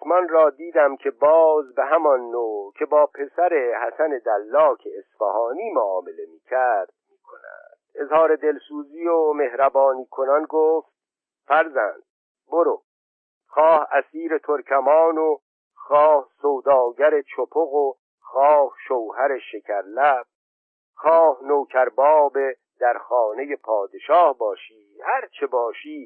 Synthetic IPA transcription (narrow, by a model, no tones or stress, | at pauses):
osmɒnɾɒːd̪iːd̪æmcʰe̞bɒːzbeɦæmɒnːoːcʰe̞bɒːpʰe̞sæɾe̞hæsæne̞d̪ælːɒːkʰeːsfæhɒːniːmoɒːme̞le̞miːcʰæɾd̪̥̚miːkʰo̰næ̰d̪̥e̞zhɒːɾe̞d̪e̞lsuːziːome̞hɾæbɒːniːkʰo̞nɒnɡoːft̪̚ | fæɾzæ̰nd̪̥̚ | boɾo | xɒːhæsiːɾe̞t̪ʰoɾcʰæmɒːno | xɒːhsowd̪ɒːɟæɾe̞t͡ʃʰopʰoɣo | xɒːhʃowhæɾeʃe̞cʰæɾlæb̥̚ | xɒːhnowcʰæɾbɒːbe̞ | d̪æɾxɒːne̞je̞pʰɒːd̪e̞ʃɒːhbɒːʃiːhæɾt͡ʃʰe̞bɒːʃiː